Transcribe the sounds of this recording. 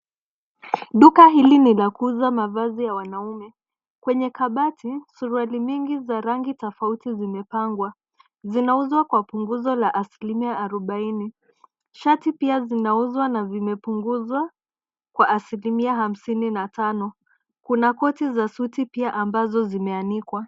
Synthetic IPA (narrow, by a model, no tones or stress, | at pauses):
ɗukaɦilinilakuuzamavazijawanaumɛ | kwɛɲɛkaɓatʰisuɾualimiŋɡizaɾaŋɡitɔfautizimɛpaŋɡwa | zinauzwakwapuŋɡuzɔlaʔasilimiaaɾɔɓaini | ʃatipiazinauzwanazimɛpuŋɡuzwa | kwaʔːsilimiaɦam̩sininatanɔ | kunakɔtizasutipiaʔambazɔzimɛanikwa